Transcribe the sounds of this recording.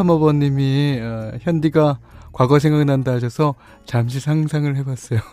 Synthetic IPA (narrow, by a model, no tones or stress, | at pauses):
amʌbʌɲːimiçjʌndiɡakwaɡʌsʰeŋɡaɡnandaɕ̬ʰʌsʰʌ | t͡ɕamɕ̬ʰisʰaŋsʰaŋɯɭhe̞bas͈ʌjo